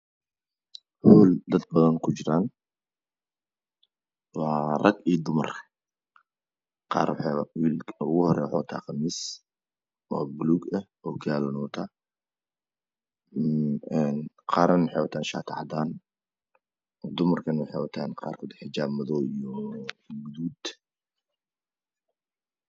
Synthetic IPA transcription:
ħuːld̪ɐd̪̚bɐðɐnkʰʊd͡ʒɪɾaːn | wɑːrɐɡiːd̪ʊmɐrʰɐ̥ | qɑ̰ːɾwħɛwiːlʊɣʊhɔɾɛ̰jwħɔwt̪ʰa̰ːqɑmiːs | ʔɔːbluɡɐ | ɔːkʰaːlɔnɔːt̪ʰaː | n | qɑːɾɐnwħewat̪ʰaːnʃa̰ːt̪ʰaħd̪aːn | d̪ʊmɐrkʰɐnwħewat̪ʰaːnqa̰ːrkʰɔːd̪ħɪd͡ʒaːbmɐðɔːijɔɡʊðuːd̪

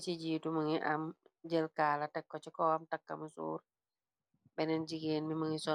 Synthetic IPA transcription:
t͡ʃiɟiːtuməŋiʔamd͡ʒəlkaːlatɛkːɔt͡ʃikɔːamtakːɐ̰musṵːɾ | bɛnɛnd͡ʒiɡeːnmbiməŋisɔ

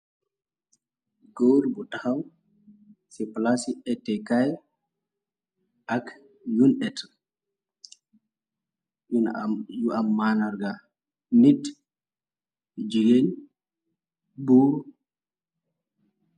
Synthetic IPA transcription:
ɡoɾbutahaw | sɛplasiɛtːɛkaj | ʔak | junɛt | juʔamːanaɾɡa | nit | d͡ʒiɡen | bu

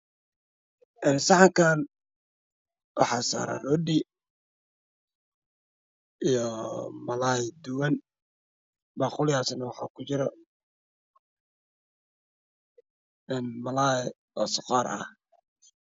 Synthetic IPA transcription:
ʔɛːnsɑħɑŋkʰaːn | wɑ̰ħɑːsa̰ːɾa̰lɔdiː | ʔijɔmɐlaːjd̪ʊwɐn | bɑːqʊlɪjaːsnɐwɑħɑ̰ːkʰʊt͡ʃɪɾɔ | ɛːnmɐlaː | ɔːsʊqɑːɾʔɐ̰h

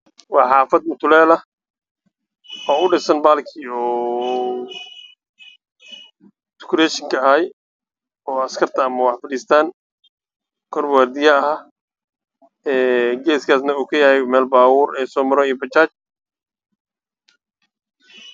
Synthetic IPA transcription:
wɑːħɑːfɐd̪̚mʊt̪ʰʊlɛːlɐ | ɔːʊɖɪsɐnbaːlkʰiɔː | t̪ʊ̥kʰʊɾɛːʃɪŋkʰɐɐɦɛj | ɔːɐskʰɐrt̪ʰɐːmɐwɑħfɐɽiːst̪ʰaːn | kʰɔrbwaːɾd̪ɪjɐɐɦa | ɛːɡɛːskʰaːsnɐuːkʰɐjɐhɛjmɛːlbaːwʊːɾɛjsɔːmɐɾɔijɔbɐt͡ʃaːt͡ʃ

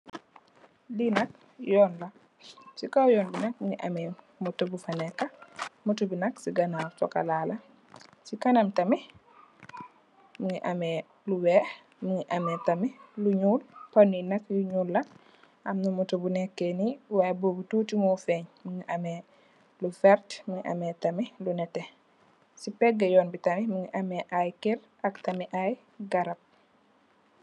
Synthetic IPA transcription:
linɐk̚ | jɔːnlɐ | sikawjɔːnbinɐk̚muŋiʔamɛ | mutobufanɛkːɐmutubinɐksiɡanaɾtɔka̰lalɐ | sikanɐmtɐmi | muŋiʔamɛ | luwɛː | muŋiʔamɛtɐmiluɲulpɐninɐkjuɲuːlːɐ | ʔɐmnumutobunɛkːeniwajboːbutuːtimufɛɲmuŋiʔɐmɛ | lufɛɾtmuŋiʔa̰mɛtɐmilunɛtɛ | sipɛɡɐjɔːnbitɐmimuŋiʔɐmɛʔajkiɾ | ɐktɐmiʔaj | ɡɐɾɐp̚

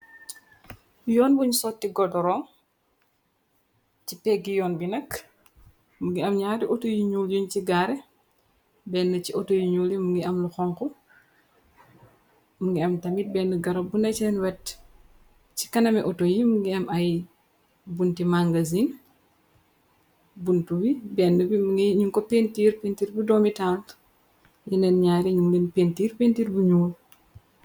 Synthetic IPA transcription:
jɔːnbuɲsɔtːiɡɔdɔɾɔːŋ | cipɛɡijɔːnbinɐk | muŋɡiɐmɲaːdiʔɔtojiɲuːljunt͡ʃiɡaɾɛ | bɛnːɐciɔtojiɲuːlimuŋɡiɐmluxɔŋkɔ | muŋɡiɐmtɐmit̚bɛnːuɡɐɾɐbunɐt͡ʃɛnwɛt | t͡ʃi̥kɐnɐmɛʔɔtojimuŋɡiɐmɐj | buntimaŋɡɐzin | buntuwibɛːnːəbimiɲuŋkɔpentiːɾpentiːɾbudɔːmitaːl | jinɛnɲaːɾiɲumlinpentiːrpentiːɾbuɲuːl

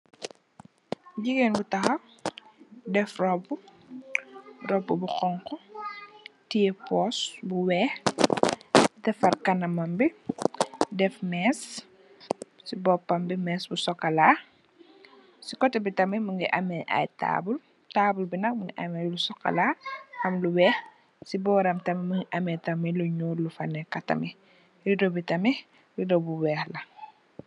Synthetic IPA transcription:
ɟiɡeːnbutɐxɐ | dɛfrɔbːu | rɔbːubuxɔŋkɔ | tiɛpɔːsbuwɛː | tɛfɐrkɐnɐmɐmbi | dɛfmɛːs | sibɔpːɐmbimɛːsbusɔkːɐlaː | sikɔtɛbitɐmɛmuŋɡiʔɐmɛʔa̰jta̰ːbul | taːbulbinɐkmuŋɡiʔɐmɛlusɔkːɐ̰laʔɐmluwɛːx | sibɔːɾɐmtɐmɛmuŋɡiʔɐmɛtɐmiluɲuːlufɐnɛkɐtɐ̰mi | ɾidobitɐmɛ | jidobuwɛːxlɐ

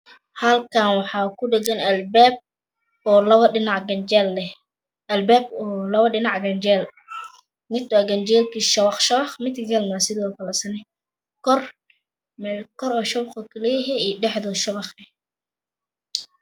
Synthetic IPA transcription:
hɐlkʰanwɑħɑːkʰʊɖɛɡɐnɐlbɛːb̚ | ɔːlɐβɐɗɪnɑʕɡɐnd͡ʒɛlːɛ | ɐlbɛːbɔːlɐβɐɗɪnɑʕɡɐnd͡ʒɛːl | mɪd̪waɡɐnd͡ʒɛːlkʰiːʃɐβɑχʃɐβɑχmɪd̪kʰɡɐlmasɪðiwafɐlɐsɐnɛ | kɔr | mɛkɔɾɔːʃɐβχɔkʰɐlɛjɛɦɛiɖɛħðɔʃɐβɑχɛh

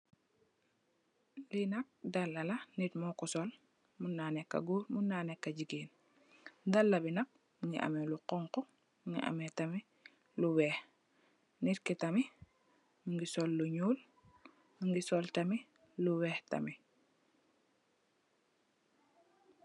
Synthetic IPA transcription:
linɐk̚dalːɐlɐnitmɔkɔsɔl | munːaːnɛkːɐ̰ɡuːɾmunːaːnɛkːɐɟiɡiːn | dɐlːɐbinɐk̚ | muŋɡiʔa̰mɛluqɔŋkɔ | muŋɡḭʔa̰mɛtɐmi | luwɛːh | nitkitɐmi | muŋɡisɔlːuɲuːl | muŋɡisɔltɐmi | luwɛːhtɐ̰mi

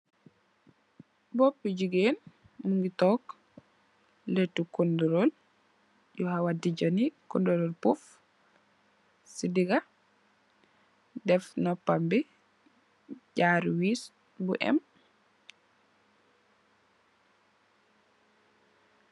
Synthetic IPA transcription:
bɔpːiɟuɡeːn | muŋɡitɔk | letːukundɔɾol | jɔhawadid͡ʒanikundɔlɔlpuf | sidiɡa | dɛfnɔpambi | ɟaɾwis | buʔɛ̰m

